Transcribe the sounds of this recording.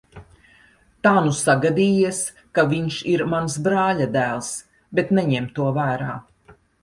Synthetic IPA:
t̪aːnusaɡad̪iːiɛs | kaviɲʃiɾmansbɾaːʎad̪æːlˠs | bet̪nɛɲɛmt̪uɔvæːɾaː

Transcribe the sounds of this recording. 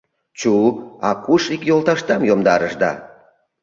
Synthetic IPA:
t͡ɕuɑkuʃikjolˠt̪ɑʃt̪ɑmjomd̪ɑɾəʃd̪ɑ̰

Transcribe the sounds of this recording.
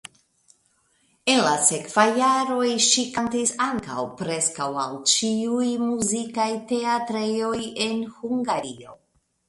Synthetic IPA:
e̞nlasekv̥ajːaɾo̞jʃikantisaŋka̰wpɾe̞skawa̰lt͡ʃiujmuzikajteatɾejo̞jenhuŋɡaɾio̞̰

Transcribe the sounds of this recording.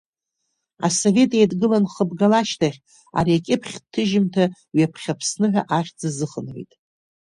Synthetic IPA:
a̰so̞ve̞tʼejdɡɨlanχəbɡalaʃtʰaχʲ | a̰ɾiakʲʼɪpʰχʲtʰɨʒɪmtʰa | ɥapʰχʲapʰsnɨħʷᶣaʔaχʲd͡zazɨχənʕḛjtʼ

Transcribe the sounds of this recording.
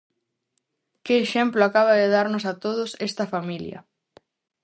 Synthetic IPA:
kɪːʃɛmplʊakaβ̞ɐðeðaɾnʊsat̪oð̞ʊsɛst̪ɐfamiljɐ̰

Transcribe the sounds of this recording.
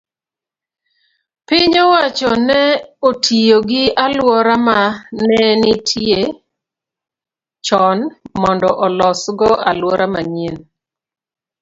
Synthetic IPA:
pɪɲɔwat͡ʃɔnɛotʰijoɡɪalwɔɾamanɛnɪtʰje | t͡ʃɔnmɔndɔʔɔlɔsɡɔʔalwɔɾamaɲien

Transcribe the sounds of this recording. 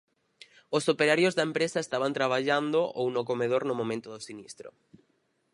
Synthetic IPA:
ʊsopeɾaɾjozðɐempɾesaest̪aβant̪ɾaβ̞aʎand̪oʔo̰wnʊkomeðoɾnʊmõmẽnt̪ʊðʊsinist̪ɾʊ̰

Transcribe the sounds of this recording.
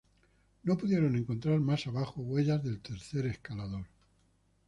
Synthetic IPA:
no̞puðje̞ɾo̞ne̞ŋko̞nt̪ɾaɾmasaβaxoɣwe̞ʎazðe̞lt̪e̞ɾθe̞ɾe̞skalaðo̞ɾ

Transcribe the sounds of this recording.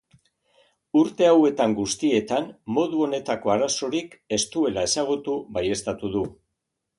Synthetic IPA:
uɾt̪e̞awe̞t̪aŋɡust̪ie̞t̪anmo̞ðuo̞ne̞t̪ako̞aɾaso̞ɾike̞st̪ue̞lae̞saɣ̞ut̪uβaje̞st̪at̪uðu

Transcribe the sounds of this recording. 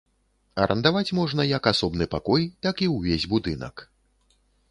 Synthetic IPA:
ɐɾʔɐ̰nd̪avat͡sʲmɔʐnɐjɐkasɔbnɨpakɔjt̪akiwvʲezʲbud̪ɨnɐ̰k

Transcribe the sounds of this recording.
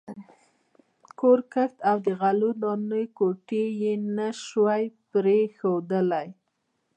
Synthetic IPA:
koɾkaxt̪awd̪əɣalonɑnəjkoʈejenaʃwajpɾexod̪əlaj

